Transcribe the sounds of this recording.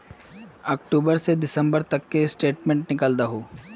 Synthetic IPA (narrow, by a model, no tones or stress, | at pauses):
ɐːk̚ʈuːbəɾsed̪ɪsə̃mbəɾt̪ɐkːesʈeːʈmẽːɳʈnɪkəld̪aɦoː